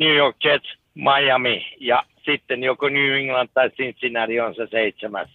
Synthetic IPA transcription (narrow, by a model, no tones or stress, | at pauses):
nuːjok̚t͡ʃet̪s | mɑjɑmijɑ | sit̪ːenjokonʲyːiŋlɑnt̪ːɑisinst̪inærionseseit̪semæ̰s